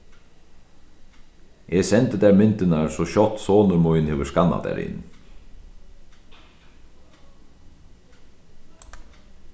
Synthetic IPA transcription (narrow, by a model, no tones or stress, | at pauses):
ʔeːsɛnt̪əd̪æːɾmʏnt̪ənɑɾsoːçɔt̪soːnəɾmʊʏnheːʋəskɑnɑ̰d̪æ̰ːɾɪ̰n